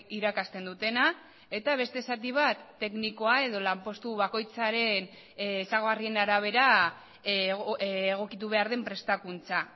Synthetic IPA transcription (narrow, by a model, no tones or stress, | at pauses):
iɾakast̪e̞nd̪ut̪e̞na | e̞t̪aβ̞e̞st̪e̞sat̪iβ̞at̪ːe̞kniko̞ae̞ð̞o̞lampo̞st̪uβako̞jt͡saɾe̞nː | saɣoɣarie̞naɾaβ̞e̞ɾa | ɣ̞o̞kit̪̬uβ̞e̞aɾð̞e̞mpɾe̞st̪akunt͡sa